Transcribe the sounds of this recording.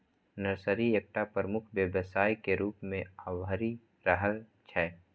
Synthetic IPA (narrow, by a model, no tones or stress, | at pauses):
nəɾsəɾiek̚ʈapɾəmʊkʰʋjəbəsaːjkeɾuːpmẽəwɦəɾi | ɾəɦəl | t͡ʃʰɛː